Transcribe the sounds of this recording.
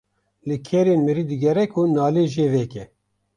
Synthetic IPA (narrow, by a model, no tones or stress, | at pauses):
lɨkʰɛɾeːnmɨɾiːd̪ɨɡɛɾɛkʰunaːleːʒeːvɛkɛ